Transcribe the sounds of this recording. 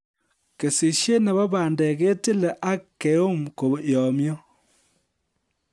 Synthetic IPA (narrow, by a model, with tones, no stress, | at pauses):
ke˨si˨ʃje˦nɛ˨ba˦ba˨ndɛ˨ke˦te˦le˨ʔa˦kːe˨˦o˦mko˨jɔ˨mjɔ˦